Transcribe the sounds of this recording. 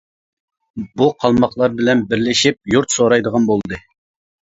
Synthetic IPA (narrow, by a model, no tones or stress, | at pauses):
buqʰɑlˠmɑχlˠɑɾbɪlɛnbɪɾlɪʃip̚juɾt̪soɾɑjd̪əʁɑnbolˠd̪ɨ